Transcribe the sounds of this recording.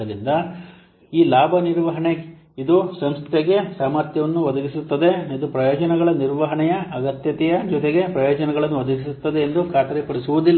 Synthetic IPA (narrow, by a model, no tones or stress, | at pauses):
ɐlind̪ɐ | iːlaːbʱɐniɾʋɐɦɐɳe | id̪usɐmst̪ʰeɡe̞saːmaɾt̪jɐʋɐnːuʋɐd̪ɐɡisut̪ːɐd̪e̞id̪upɾɐjɔːd͡ʒɐnɐɡɐɭɐniɾʋɐɦɐɳɛjɐːɡɐt̪jɐt̪ɛjɐd͡ʒɔt̪eɡe̞pɾɐjɔːd͡ʒɐnɐɡɐɭɐnːuʋɐd̪ɐɡisut̪ːɐd̪e̞ːnd̪ukʰaːt̪ɐɾepɐɽisuʋud̪ilː